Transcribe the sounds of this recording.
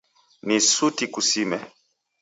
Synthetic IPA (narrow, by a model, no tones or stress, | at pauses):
nisutikusimɛ